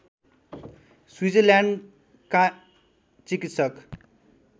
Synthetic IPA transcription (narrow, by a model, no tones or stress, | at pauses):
swid͡zʌljaɳɖ | ka | t͡sikit̪sʌk